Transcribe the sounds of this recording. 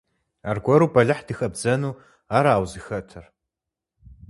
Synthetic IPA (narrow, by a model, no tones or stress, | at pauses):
arɡʷɔɾuːbɐɮɨħd̥ɨxɐbzɐnuː | aːɾaːwzɨxɐtʰɐr